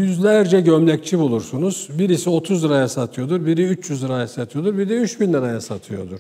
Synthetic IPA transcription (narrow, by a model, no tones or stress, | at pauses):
jyzlʲæɾd͡ʒɛɟømlʲɛct͡ʃʰibulˠuɾsunuz̥biɾisio̞t̪ʰuzd̪ɯɾajasat̪ʰɯjo̞d̪uɾbiɾiyt͡ʃjyzd̪ɯɾajasat̪ʰɯjo̞d̪uɾbid̪ɛyt͡ʃbinlːd̪ʲaɾajasat̪ʰɯjo̞d̪uɾ